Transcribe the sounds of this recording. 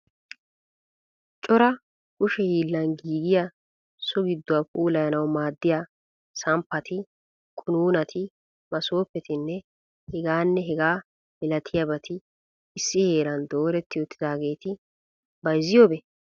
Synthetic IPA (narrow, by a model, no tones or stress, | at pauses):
t͡ʃʼɔɾɐ | kʊʃɛhiːlːɐnɡiːɡɪja | sɔɡɪd̪ːʊapʼuːlɐjɐnɐwmaːd̪ːɪja | sɐmpːɐt̪ɪ | kʼʊnuːnɐt̪ʰɪ | mɐso̞ːpːɛt̪ɪnːɛ | hɛɡaːnːɛɦɛɡaː | mɪlɐt̪ʰɪjɐbɐt̪ɪ | ɪsːɪhe̞ːɾɐnd̪oːɾɛt̪ːɪɔt̪ːɪd̪aːɡe̞ːt̪ɪ | bɐjzɪjoːbɛ